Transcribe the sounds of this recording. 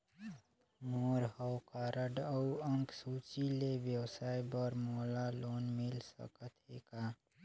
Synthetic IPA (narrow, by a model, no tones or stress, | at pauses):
moɾhəwkaɾəɖəuəŋksut͡ʃilebjəwsajbəɾmolalonmilsə̰kət̪ʰɦeka